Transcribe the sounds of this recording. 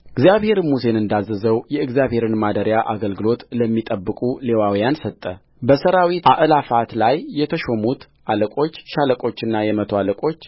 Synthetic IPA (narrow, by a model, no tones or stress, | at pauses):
ɨɡzijaβhe̞ɾmus̬e̞nɨnd̪azːəzəwjɛɨɡzjaβhe̞ɾɨnmad̪əɾjaʔaɡəlɡɨlo̞t̪ləmːit̪ʼəbːɨkʼule̞wawjansət̪ʼːə | bəsəɾawit̪aʔɨlafat̪lajːɛt̪ʰəʃo̞mut̪ | ʔaləkʼo̞t͡ʃːʃaləkʼo̞t͡ʃːɨnːajɛmət̪ʰoaləkʼo̞t͡ʃː